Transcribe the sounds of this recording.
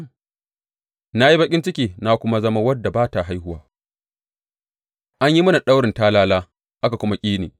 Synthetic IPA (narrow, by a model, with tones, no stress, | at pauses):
na˦ji˦bɐ˦kʲʼɪ˦nt͡ʃɪ˦kʲiː˨na˦kʷʊ˦ma˦zɐ˦ma˦wɐ˦dːa˨baː˦ta˨ɦa˦jɦʊ˦waː˦ | ʔa˦ɲji˦mɐ˦na˨ɗa˦wɽɪ˨ntaː˦laː˦laː˦ | ʔa˦ka˨kʷʊ˦ma˦kʲʼiː˦neː˨